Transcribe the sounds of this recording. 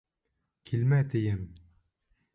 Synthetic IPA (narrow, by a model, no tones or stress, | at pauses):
kʲʰilmæt̪ʰejɘm